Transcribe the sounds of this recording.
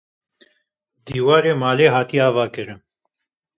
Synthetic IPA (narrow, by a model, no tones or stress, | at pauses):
d̪iwaɾemalɛɦat̪iavakəɾə